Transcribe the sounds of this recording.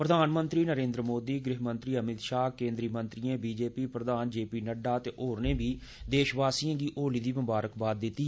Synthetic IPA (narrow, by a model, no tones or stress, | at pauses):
pɾəd̪aːnmə̃nt̪ɾiːnəɾẽːnd̪ɾəmoːd̪iːɡɾɪɦmə̃nt̪ɾiːəmɪt̪ʃaːkẽːnd̪ɾiːmə̃nt̪ɾiãːbiːd͡ʒeːpiːpɾəd̪aːnd͡ʒeːpiːnəɖaːt̪eːʔoːɾneːbiːd̪eːʃʋaːsiːãːɡiːʔoːliːd̪iːʋəmbaːɾəkbaːd̪̚ːɪt̪ːiː